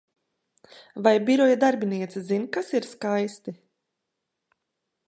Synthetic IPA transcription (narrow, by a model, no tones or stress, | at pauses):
vajbʲiɾɔjad̪aɾbʲiniɛt̪sɨzinkasiɾskajst̪i